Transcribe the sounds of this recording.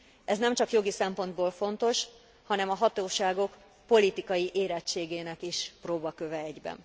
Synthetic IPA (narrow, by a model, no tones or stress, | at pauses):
ɛznɛmt͡ʃɒkjo̞ɡisɛmpo̞nd̪boːlfo̞nt̪o̞ʃ | hɒnɛmɒɦɒt̪oːʃaːɡo̞k | po̞lit̪ikɒjiʔeːɾɛt͡ʃːeːɡeːnɛkiʃproːbɒkøvɛɛɟbɛ̰n